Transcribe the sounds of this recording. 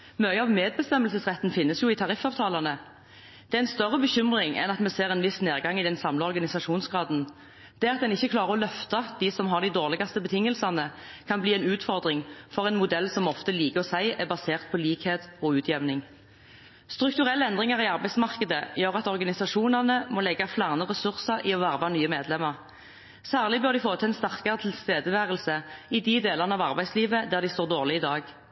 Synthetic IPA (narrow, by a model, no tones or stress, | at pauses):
mœʏəɑʋmeːd̪̚bəst̪ɛməlsəsʁɛt̪ːn̩fɪnːəsjʊɪt̪ʰɑʁɪfɑːʋt̪ʰɑːlɑnə | d̪̥ɛæɛɪnst̪œʁːəbəçʏmʁɪŋʔɛ̰nɑt̪mɛseːʁɛnʋɪsneːʁɡɑŋɪd̪ɛnsɑmləɔʁɡɑnɪsɑʂuːnsɡʁɑːd̪n̩ | d̪̥ɛːɑt̪̚d̪ɛnɪçːəkʰlɑːʁəʁɔlœft̪ɑd̪̥ɪsɔmɦɑʁd̪ɪd̪oːʁlɪɡɑst̪əbət̪ʰɪŋːəlsɑnə | kʰɑnbliːɛɪnʉːt̪fɔʁd̪ʁɪŋfɔʁɛɪnmʊd̪ɛlːsɔmɔft̪əliːkəɔsæɪʔæbɑseːʁt̪̚pʰɔliːkheːt̪ɔːʉːt̪ʰjɛʋnɪŋ | st̪ʁʉk̚t̪ʉʁɛlːəɛnd̪ʁɪŋəʁiɑʁbæɪd̪smɑʁkəd̪əjøːʁɑt̪ɔʁɡɑnɪsɑʂuːnɑʁnəmɔːlɛɡːɑflæːʁnəʁɛsʉʁsɑʁʔɪɔʋæʁʋɑnyːəmeːd̪lɛmːəʁ | sæːʁlɪbøːɾd̪ɪfoːt̪ʰəɛɪnst̪æʁkɑʁət̪ʰɪlst̪eːd̪əʋæːʁəlsəɪd̪ɪd̪eːləʁnəɑʋɑʁbæɪsliːʋəd̪æːʁd̪ɪst̪oːd̪oːʁlɪɪd̪ɑːɡ